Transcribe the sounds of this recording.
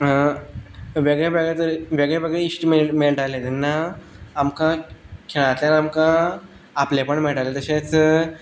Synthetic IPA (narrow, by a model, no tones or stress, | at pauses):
ʋeɡɭeʋeɡɭet̪əɾʋeɡɭeʋeɡɭisʈimemeɭʈalet̪inːaːmkãkʰiɭ̃ãt̪lenamkã | aplepəɳmeɭʈalet̪əɕẽt͡s